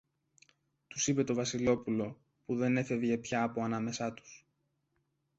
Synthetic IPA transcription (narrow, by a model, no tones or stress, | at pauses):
t̪u̥sipe̞t̪o̞vɐsilo̞pulo̞ | puðe̞ne̞fe̞vʝe̞pçɐːpo̞ɐnɐme̞sɐt̪u̥s